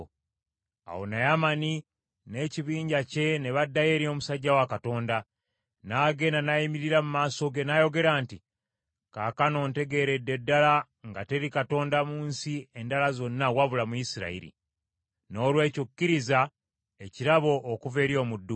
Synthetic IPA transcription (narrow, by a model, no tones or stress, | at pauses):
a̰wo̰najamani | ne̞ːciβiːɲɟace̞ne̞βadːaje̞ɾio̞musaɟːawakato̞ːnda | naːɡe̞nanajimiɾiɾamumaːso̞ɡe̞najo̞ɡe̞ɾaːnti | kakano̞ːnte̞ɡe̞ɾedːe̞dːala | ŋɡate̞ɾikato̞ːndamuːnsie̞ndalazo̞nːawaβulamuisiɾa̰ḭɾḭ | no̞ːlwe̞ːcukːiɾiza | e̞ciɾaβo̞ʔːkuve̞ːɾjo̞ːmudːu